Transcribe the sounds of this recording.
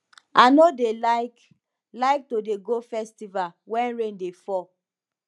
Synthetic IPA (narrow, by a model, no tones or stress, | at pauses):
anodelaɪk | laɪk̚todeɡofɛstivalwɛ̃nɹẽndefɔ